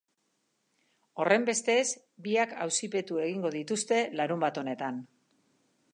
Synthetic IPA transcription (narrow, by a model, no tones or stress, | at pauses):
o̞re̞mbe̞st̪e̞z | biakawsipe̞t̪ue̞ɣ̞iŋɡo̞ð̞it̪ust̪e̞laɾumbat̪o̞ne̞t̪an